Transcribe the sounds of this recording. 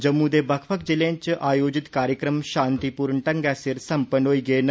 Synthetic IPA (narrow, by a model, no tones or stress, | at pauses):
d͡ʒɐmːũd̪eːbɐkʰpək̚d͡ʒɪlẽɲt͡ʃʔaːjoːd͡ʒɪt̪kaːɾjəkɾəmʃãːnt̪ipuːɾnʈɐŋɡɛːsɪɾsɐmpənɦoːiːɡəen